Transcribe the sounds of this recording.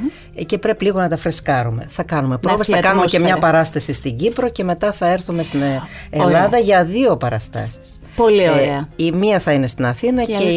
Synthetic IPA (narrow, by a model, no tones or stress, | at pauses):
ce̞pɾe̞piliɣo̞nɐt̪ɐfɾeskɐɾume̞̰θɐkɐnume̞pɾovesɐkɐnumecemɲɐpɐɾɐst̪ɐsist̪iɟipɾoce̞me̞t̪ɐθɐe̞ɾθume̞st̪in | elɐðɐʝɐðio̞pɐɾɐst̪ɐ̰si̥s | polioeɐimiɐθɐine̞st̪inɐθinɐe